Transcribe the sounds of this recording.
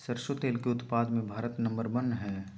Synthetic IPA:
sɐɾʃot̪eːlkeʊt̪paːd̪mẽbʱaːɾət̪nɐ̃mbəɾbɐnɦɛ̃ː

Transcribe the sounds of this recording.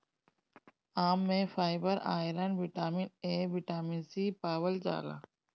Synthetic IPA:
aːmːẽfaːɪbəɾa̰ːjɪləɳɖʋɪʈaːmineːʋɪʈaːminsiːpaːwəld͡ʒa̰ːɡa̰ː

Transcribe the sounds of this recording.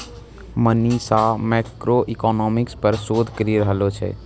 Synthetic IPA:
məniːsamɛːkɾoʔikɔːnɔːmɪkspəɾsoːd̪ʱkəɾiɾəɦlot͡ʃʰɛ̰ː

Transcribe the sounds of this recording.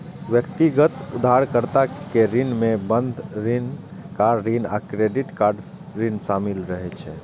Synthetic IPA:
ʋjəkt̪iɡət̪ud̪ʱaɾkəɾt̪akeɾinmebənd̪ʱɾinkaɖɾina̰kɾeɖiʈkaɾɖ | ɾinsamilɾəɦɛt͡ʃʰɛ

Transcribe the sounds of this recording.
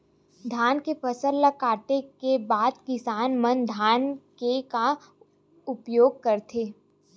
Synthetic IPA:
d̪ʱaːnkefəsəlːakaːʈekebaːd̪kɪsaːnmənd̪ʱaːnkeka | ʊpjoːɡ̚kɐɾt̪ʰeː

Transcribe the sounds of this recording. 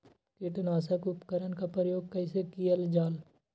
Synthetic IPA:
kɪʈnaːsəkʊpkəɾənkapɾəjoːɡ̚kəisekiːəld͡ʒaːl

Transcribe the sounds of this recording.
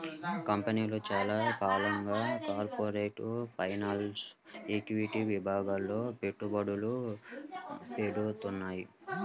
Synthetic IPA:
kɐmpɐniːloːt͡ʃaːlaːkaːlɐŋɡaːkaːɾpoːɾeːʈpʰɐjnɐlseːkuʋiʈiʋibʱaːɡaːlːo̞ːpe̞ʈːubɐɽulu | peːɽut̪unːaːju

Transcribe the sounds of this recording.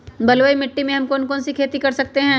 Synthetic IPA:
bɐlʋəːimɪʈːimẽɦɐmkɔːnkɔːnsikʰeːt̪ikɐɾsɐk̚t̪eɦɛ̃ː

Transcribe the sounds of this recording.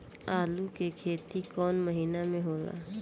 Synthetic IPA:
aːlukekʰeːt̪ikɔːnməɦiːnamẽɦoːla̰ː

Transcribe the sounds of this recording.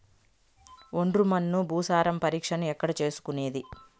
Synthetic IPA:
oɳɖrumɐnːubʱuːsaːɾɐmpɐɾiːkʂɐnuɛkːɐɽɐt͡ʃe̞ːsu̥kune̞ːd̪i

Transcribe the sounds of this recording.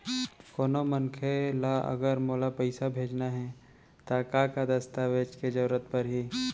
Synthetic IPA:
koːnomənkʰelaʔɐ̰ɡəɾmoːlapɛɪsabʱeːd͡ʒnaɦɛ | t̪akaːkad̪ɐst̪aːʋeːd͡ʒked͡ʒɐɾət̪pɐɾɦiː

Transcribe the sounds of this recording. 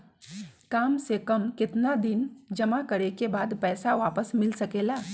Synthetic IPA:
kaːmsekɐmkɪt̪nad̪ɪnd͡ʒɐmakɐɾekebaːd̪pɛːsaʋaːpəsmɪlsɐkeːlaː

